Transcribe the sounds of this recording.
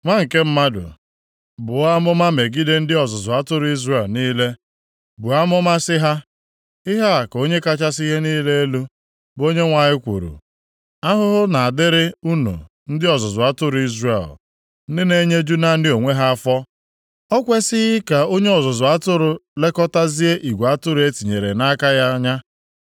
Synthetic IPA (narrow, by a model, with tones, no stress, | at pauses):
ŋʷa˦ŋ̩˨ke˦m̩˦ma˦dʊ̰˨ | bʊ˨a˦mʊ˦ma˦me˨ɡi˦de˦n̩˦dɪ˦ɔ˨zʊ˨zʊ˨a˦tʊ˦ɾʊ˦i˦zre˨lniː˦le˦ | bʊ˨a˦mʊ˦ma˦sɪ˦ɦa˦ | ɪ˦ɦa˦a˨ko˦ɲe˦ka˦t͡ʃa˦si˦ɦe˦niː˦le˦e˦lu˦ | bo˦ɲe˦ŋʷa˨ɲɪ˦kʷṵ˨ɾṵ˨ | a˦ɦʊ˦ɦʊ˦na˨a˨dɪ˦ɾɪ˦u˦nṵ˨ | n̩˦dɪ˦ɔ˨zʊ˨zʊ˨a˦tʊ˦ɾʊ˨˦i˦zre˨l | n̩˦dɪ˦ne˦ɲe˦d͡ʒu˦na˦n̩˦dɪ˦o˨ŋʷe˦ɦa˦a˦fɔ˦ | ɔ˦kʷe˦sɪ˦ɣɪ˦ka˨o˦ɲe˦ɔ˨zɔ˨zʊ˨a˦tʊ˦ɾʊ˦le˦kɔ˦ta˦zi˦e˦ʔi˨ɡʷa˦tʊ˦ɾʊ˦e˦ti˨ɲe˨ɾe˨na˦ka˦ja˦ɲa˦